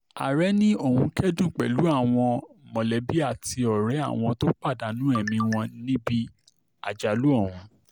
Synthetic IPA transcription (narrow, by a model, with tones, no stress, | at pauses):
a̰˨ɾɛ˨˦nĩ˦o˦˨hũ˧kɛ˦dũ˦˨k͡pɛ̰˨lu˨˦a˦˨w̃ɔ̃˧mɔ̃˨lɛ˨˦bi˦a˦˨ti˧ɔ˨ɾɛ˨˦a̰˦˨w̃ɔ̃˧to˦k͡pa˦˨da˨˦nũ˦ɛ˦˨mĩ˧w̃ɔ̃˧nĩ˦bi˦ | a̰˨d͡ʒa˨lu˦ɔ˦˨w̃ɔ̃˨